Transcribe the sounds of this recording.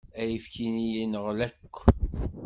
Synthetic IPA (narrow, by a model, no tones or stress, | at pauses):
æjəfkinijinəʁlækʷː